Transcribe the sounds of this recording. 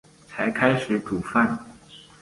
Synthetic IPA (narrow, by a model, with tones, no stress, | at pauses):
t͡sʰa˧˥ɪkʰa˥ɪʂɻ̩˨˧˥ʈ͡ʂu˨˩fa˥˩n